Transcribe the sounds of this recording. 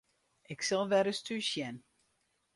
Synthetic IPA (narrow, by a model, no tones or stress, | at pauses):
ɪksɛlˠʋɛɾəstʰysjɛn